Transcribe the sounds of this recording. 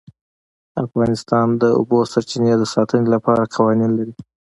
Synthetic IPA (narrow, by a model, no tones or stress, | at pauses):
afɣɑnɪst̪ɑnd̪əʊ̰bosaɾt͡ʃined̪əsɑt̪ənelapɑɾaqʰawɑninlaɾi